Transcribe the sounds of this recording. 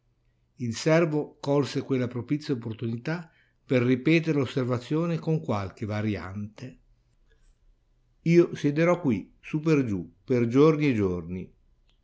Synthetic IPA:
ilsɛrvokɔlsekwelːapɾopit̪sːjopːort̪unit̪a | perːipɛːt̪̬eɾelosːervat̪sːjoːnekoŋkwalk̟evaɾja̰nt̪e | iːosjed̪eɾɔkːwi | sup̬erd͡ʒuperd͡ʒornied͡ʒorni

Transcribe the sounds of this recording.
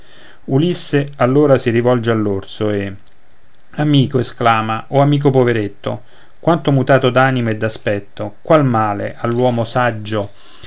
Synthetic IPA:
ulisːealːoːɾasiɾivɔld͡ʒealːorsoe | amiːkoesklaːmaʔɔamiːk̬opoveɾet̪ːo̰ | kwant̪omut̪aːt̪od̪aːnimoɛd̪ːaspɛt̪ːokwalmaːlḛʔalːwɔːmosad͡ʒːo

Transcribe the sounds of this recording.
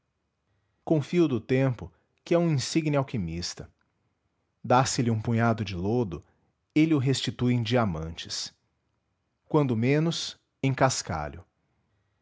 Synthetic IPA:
kõfiʊd̪ʊt̪ẽmpʊ | kɪɛũĩsiɡnɪawkimist̪ɐ | d̪asɪlɪũpũɲad̪ʊd͡ʒɪlod̪ʊ | elɪʊɦest͡ʃit̪uẽj̃d͡ʒiamɐ̃nt͡ʃɪ̥s | kwɐ̃nd̪ʊmẽnʊs | ẽj̃kaska̰ʎʊ

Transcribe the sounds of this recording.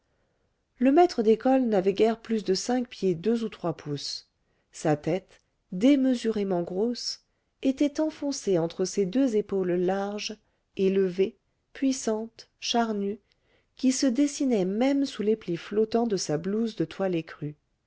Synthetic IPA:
ləmɛt̪χəd̪ekɔlnavɛɡʲɛʁplysd̪əsɛ̃k̚pjed̪øzut̪χwapʰus | sat̪ɛt̪ | d̪eməzyʁemɑ̃ɡʁos | et̪ɛt̪ɑ̃fɔ̃seɑ̃t̪χəsed̪øzepollaʁʒ | eləve | pɥisɑ̃t̪ | ʃaʁny | kʲisəd̪esinɛmɛmsulepliflɔt̪ɑ̃d̪əsabluzd̪ət̪walekχy

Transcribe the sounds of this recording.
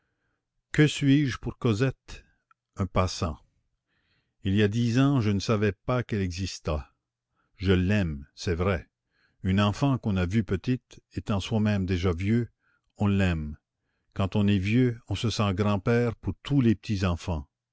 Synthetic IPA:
kəsɥiːʒpuʁkɔzɛt̪ | œ̃pasɑ̃ | iliad̪izɑ̃ʒənəsavɛpakɛlɛɡzist̪a | ʒəlɛmsɛvʁɛ | ynɑ̃fɑ̃kɔ̃navypət̪it̪et̪ɑ̃swamɛ̃md̪eʒavjø | ɔ̃lɛm | kɑ̃t̪ɔ̃nɛvjøɔ̃səsɑ̃ɡʁɑ̃pɛːʁpuʁt̪ʰulepə̥t̪izɑ̃fɑ̃

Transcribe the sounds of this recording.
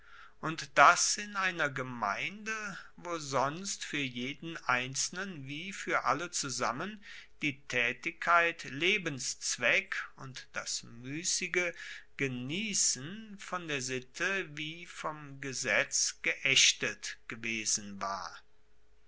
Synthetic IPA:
ʔʊntd̥asɪnʔaɪnɐɡəma̰ɪndəvoːzɔnstfyːɐjeːdn̩ʔaɪnt͡sl̩nənviːfyːɐʔa̰lət͡suzamənd̥iːtʰɛːtɪkʰːaɪtleːbənst͡sv̥ɛkʊntd̥asmyːsɪɡəɡ̥əniːsn̩fɔndeːɐzɪtʰəviːfɔmɡəzɛt͡sɡ̥əʔɛʃtətɡ̥əveːzn̩va̰ːɐ

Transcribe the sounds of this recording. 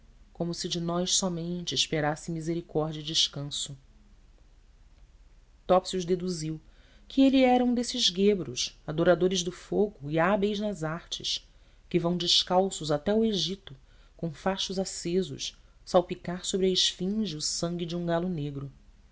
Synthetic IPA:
kõmʊsɪd͡ʒɪnɔjʃsɔmẽnt͡ʃɪːʃpeɾasɪmizeɾikɔɾd͡ʒiɐid͡ʒɪʃkɐ̃sʊ | t̪ɔpsiuʒd̪ed̪uziw | kʰɪeliɛɾɐũd̪esɪʒɡebɾʊʃad̪oɾad̪oɾɪʒd̪ʊfoɡʊiabejznɐzaχt͡ʃɪʃ | kɪvɐ̃w̃d͡ʒɪʃkawsʊzat̪ɛʊeʒit̪ʊ | kõfaʃʊzasezʊ̰ʃ | sawpikaɾsobɾɪɐiʃfĩʒɪʊsɐ̃ŋɡʲɪd͡ʒiũɡalʊneɡɾʊ

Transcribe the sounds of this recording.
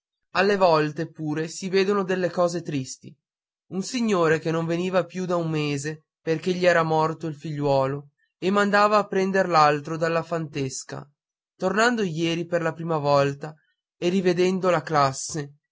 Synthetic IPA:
alːevɔlt̪epuːɾesiveːd̪onod̪elːekɔːzet̪ɾist̪ḭ | unsiɲːoːɾekenːõɱveniːvapjud̪aumːeːze | perk̟eʎːiɛːɾamɔrt̪oilfiʎːwɔːlo | emːand̪aːvaːpːɾɛnd̪eɾlalt̪ɾod̪alːafant̪eska̰ | t̪ornand̪ojɛːɾiperlapɾiːmavɔlt̪a | erived̪ɛnd̪olaklasːe

